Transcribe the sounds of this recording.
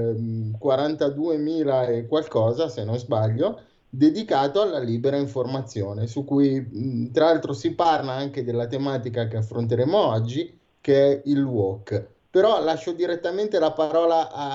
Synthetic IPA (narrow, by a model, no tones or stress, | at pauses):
kwaɾant̪ad̪uːemiːlaekwalkɔːzasenːõnzbaʎːo | d̪ed̪ikaːt̪oalːaliːbeɾaiɱformat̪sːjoːnesukːujt̪ɾalalt̪ɾosiparlaaŋked̪elːat̪emaːt̪ikakeafːɾont̪̬eɾeːmoɔd͡ʒːi | keɛilwɔkː | peɾɔlaʃːod̪iɾet̪ːament̪elapaɾɔːlaʔa